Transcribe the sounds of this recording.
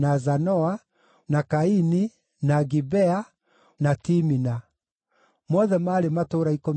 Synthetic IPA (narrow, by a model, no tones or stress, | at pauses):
nazanɔa | nakaini | naɡibɛa | natimina | mɔðɛmaːɾematoɾaiko